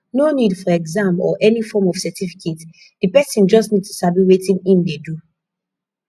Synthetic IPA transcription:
nonidfɔɛɡzãmpɔ̰ʔɛnifɔmɔvsɛtifi̥kʰet | d̥ipɛsĩnd͡ʒɔstnid̚tu̥sabiwetĩnĩmdedu

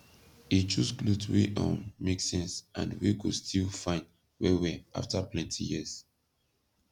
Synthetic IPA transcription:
it͡ʃusklutweʔɔ̰̃nmeksɛ̃nsʔã̰ndwikustʰilfãɪ̃nd | wɛwɛʔa̰ftaplɛ̃ntʰijis

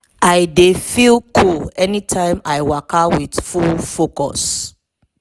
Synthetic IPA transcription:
aɪdefilkʰulɛnitʰãɪ̃maɪwakawidfulfokɔ̰s

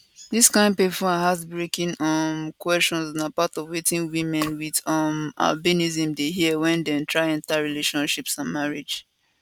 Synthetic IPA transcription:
diskãɪ̃nd̚pefɔ̃hazbɹekĩnʌmkwɛst͡ʃɔ̃nsnapatɔvwetĩnwĩmɛ̃nwidʌma̰lbinizĩmdeɦiəwɛ̃ndɛ̃ntʰɹaɪãntaɹileʃɔ̃nʃipsãnmaɹid͡ʒ

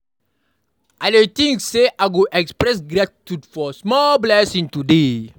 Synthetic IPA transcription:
ʔadet̪ĩŋkseʔaɡuʔɛkspɾɛs̬ɡɾatitudfɔsmɔlblɛsĩŋtude

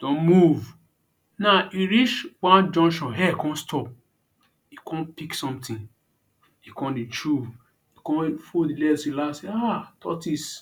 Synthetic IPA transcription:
d̥ɔ̃nmuv | naiɾit͡ʃwãnd͡ʒɔ̃nʃɔ̃nɦɛkɔ̃nstʰɔp̚ | ikʰɔ̃npiksɔ̃mtĩn | ikɔ̃ndit͡ʃuv | ikɔ̃nfodilɛsilaseatʰɔ̰tis

